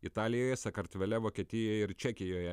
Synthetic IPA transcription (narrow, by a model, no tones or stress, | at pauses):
ɪt̪ɑːlʲɪjoːjɛsɐkɐɾt̪ʲʋʲɛlʲɛʋoːkʲiɛt̪ʲɪjɛjɛɪɾt͡ʃʲɛkʲɪjoːjɛ